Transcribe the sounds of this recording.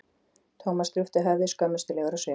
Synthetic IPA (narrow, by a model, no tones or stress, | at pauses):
t̪ʰoːwmast̪ɾʏft̪ɪɦɛvðɪskœːmɪst̪ɪlɛɣaɾasveː